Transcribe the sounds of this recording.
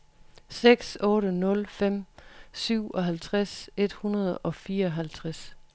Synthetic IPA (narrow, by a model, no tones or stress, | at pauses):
seɡ̥sɔ̽ːɾənɔ̽lfem̰syʊ̰ɒ̽ɦælt͡sʰʁase̝d̥hunɐð̞ˠɒ̽fiːɐɒɦælt͡sʰʁas